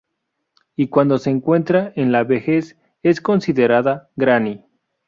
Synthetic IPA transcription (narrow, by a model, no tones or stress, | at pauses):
ikwand̪o̞seːŋkwe̞nt̪ɾaenlaβexe̞s | e̞sko̞nsiðeɾaðaɡɾani